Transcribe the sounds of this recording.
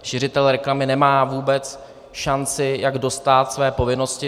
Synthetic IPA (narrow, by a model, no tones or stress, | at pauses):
ʃɪr̝ɪt̪ɛlɾɛklamɪnɛmaːvuːbɛt͡s | ʃant͡sɪjaɡdo̞st̪aːt̪svɛːpo̞vɪno̞scɪ